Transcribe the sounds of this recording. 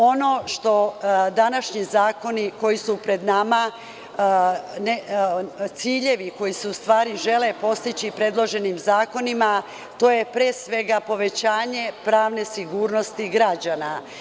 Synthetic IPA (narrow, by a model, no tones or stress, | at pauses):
o̞no̞ʃt̪o̞d̪anaʃɲizaːko̞niko̞jisupɾe̞d̪nama | ne | t̪siːʎe̞ʋiko̞jiseust̪ʋaːɾiʒe̞le̞po̞st̪it͡ɕipɾe̞d̪lˠo̞ʒe̞nimzaːko̞nima | t̪o̞ːje̞pɾeːsʋe̞ɡapo̞ʋe̞t͡ɕaːɲe̞pɾaːʋne̞siɡuːɾno̞st̪iɡɾad͡ʑana